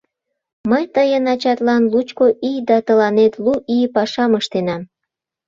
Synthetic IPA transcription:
məjt̪əjənɑt͡ɕɑt̪lɑnlut͡ɕkoʔijd̪ɑt̪əlɑnet̪luʔijpɑʃɑməʃt̪enɑm

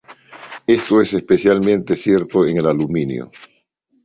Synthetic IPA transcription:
e̞st̪oesespesjalmẽnt̪esje̞ɾt̪oeŋe̞laluminjo̰

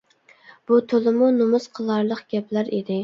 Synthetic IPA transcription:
b̥ut̪ʰolˠɪmunomʊsqʰəlˠɑɾlˠəqɡ̥ʲɛplæɾid̪ɪ

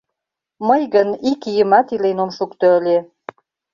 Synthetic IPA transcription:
məjɣənikijəmɑt̪ilenomʃukt̪øəlʲe

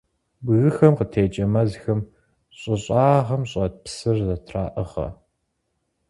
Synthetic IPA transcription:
bɣɨxɐmqətʰeːt͡ʃʼɐmɐzxɐm | ɕʼɪɕʼaːʁɐmɕʼɐpsɨrzɐtʰraːʔɨʁɐ̰

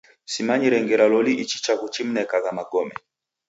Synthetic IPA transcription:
simaɲiɾɛŋɡɛɾalɔliʔit͡ʃit͡ʃakut͡ʃim̩nɛkaɣamaɡɔmɛ̰

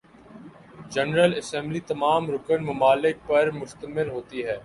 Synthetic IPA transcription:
d͡ʒɛnɾəlɐsɛ̃ːmblit̪ɐmaːmɾʊkənmʊmaːlɪk̚pɐɾmʊʃt̪əmɪlɦoːt̪iɦɛː

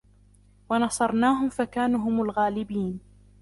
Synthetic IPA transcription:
wɑnɑsˤɑɾˤnaːɦʊmfakaːnuːɦʊmʊlɣaːlɪbiːn

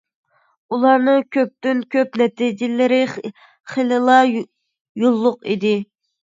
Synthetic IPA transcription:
ulˠɑɾnɨŋkʲʰøp̚t̪ynkʲʰøpnɛt̪id͡ʒɪlɪɾɪ | χelɨlˠɑ | jolˠːʊqḭd̪ɪ

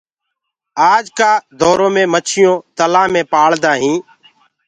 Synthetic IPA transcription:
aːd͡ʒkaːd̪ɔːɾõːmẽːmət͡ʃʰɪjõːt̪əlãːmẽːpaːɭd̪ãːɦĩː

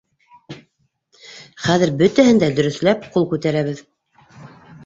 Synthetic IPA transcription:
χæðɘɾbɵt̪æhɘ̆nd̪æd̪ɵ̆ɾɵ̆θlæp̚qulˠkʉt̪æɾæβɘð

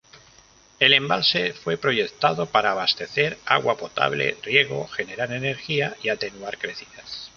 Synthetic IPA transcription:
e̞le̞mbalse̞fwe̞pɾo̞ʝe̞kt̪aðo̞paɾaːβ̞ast̪e̞θe̞ɾa̰ɣwapo̞t̪a̰βlḛrje̞ɣ̞o̞xene̞ɾaɾene̞ɾxiaiat̪e̞nuaɾkɾe̞θiðas

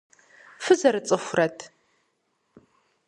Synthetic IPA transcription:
fɨzɐɾɨt͡sʼɨxʷrɐtʰ

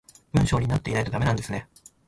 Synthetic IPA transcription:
b̥ɯ̟̃ɰ̃ɕo̞ːɲ̟inat̪ːe̞inaijt̪od̪amenãnd̪esɨne̞

